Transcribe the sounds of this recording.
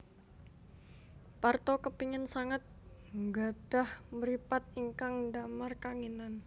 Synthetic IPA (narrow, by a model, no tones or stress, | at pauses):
part̪okəpiŋənsaŋat̪̚ŋɡad̥ahməɾipat̪̚iŋkaŋdamarkaŋinan